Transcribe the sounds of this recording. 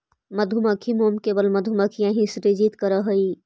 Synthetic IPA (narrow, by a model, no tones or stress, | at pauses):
mɐd̪ʱumakʰimoːmkebəlmɐd̪ʱumakʰijãɦĩsɾed͡ʒiːt̪kəɾəɦəi